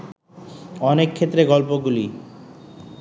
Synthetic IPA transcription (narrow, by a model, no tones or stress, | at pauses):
ɔnekʰːet̪ːɾeɡɔlpoɡuli